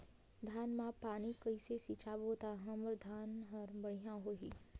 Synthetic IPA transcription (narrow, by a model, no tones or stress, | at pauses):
d̪ʱaːnmãpaːnikəisesiːt͡ʃʰaboːt̪aɦɐ̃məɾd̪ʱaːnɦɐɾbəɽ̤ijãɦoːɦḭː